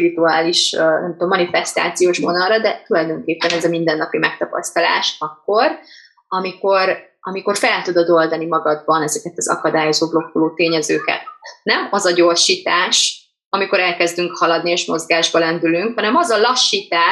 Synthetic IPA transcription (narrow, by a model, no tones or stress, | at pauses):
piɾit̪uaːliʃnɛ̰mt̪omːɒnifɛst̪a̰ːt̪sijoːʃmonɒlːɒd̪ɛt̪ulɒjd̪oːŋkeːpːɛnɛzɒmind̪ɛnːɒpimɛk̚t̪ɒpɒ̰st̪ɒla̰ːʃɒkːo̞r | ɒmiko̞ɾ | ɒ̰miko̞rfɛlt̪ud̪o̞d̪o̞ld̪ɒnimɒɡɒd̪̚bɒnɛzɛkɛt̪ɒzɒ̰kɒd̪aːjo̞zoːblo̞kːuloːt̪eːɲɛzøːkɛ̰t̪̚nɛmɒzɒɟo̞rʃiːt̪aːʃ | ɒmiko̞ɾɛlkɛzd̪yŋkhɒlɒd̪nieːʃmo̞zɡaːʒbɒlɛnd̪ylyŋkhɒnɛmɒzɒlɒʃːiːt̪aː